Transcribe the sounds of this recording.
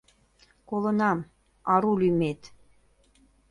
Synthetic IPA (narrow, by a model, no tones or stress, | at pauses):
kolə̆nɑm | ɑɾulymet̪